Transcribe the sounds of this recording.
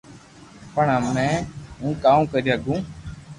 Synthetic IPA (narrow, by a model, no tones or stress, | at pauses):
pəɳəmɛ̃ːɦũːkaːũːkəɾiːəɡũː